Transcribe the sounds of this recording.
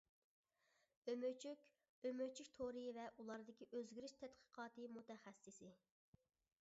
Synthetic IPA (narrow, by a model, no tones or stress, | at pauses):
ømøt͡ʃʰykʲ | ømøt͡ʃʰykʲt̪ʰoɾɨjvɛʔulˠɑɾd̪ɪkʲiʔøzɡʲiɾɪʃt̪ʰɛt̪qʰə̥qʰɑːt̪ɨmut̪ɛχɛsːɪsɪ